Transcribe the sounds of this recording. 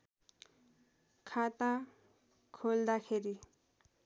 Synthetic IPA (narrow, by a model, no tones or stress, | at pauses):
kʰat̪a | kʰold̪akʰeɾi